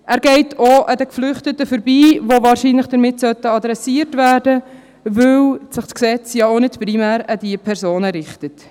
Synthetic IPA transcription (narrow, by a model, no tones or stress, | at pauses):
ʔæɾɡ̥ɛɪtʰoʔədəkflʏχtətəfœɾbiːʋovɑːɾʃiːnləχd̥əɾmɪtsœtːəɑd̪ɾɛsiːəɾtʋæːɾdə | vɵwsəχsksɛt͡sjɑonɪtprimæːɾæd̪iəpʰɛɾzoːnəɾɪχt̪ət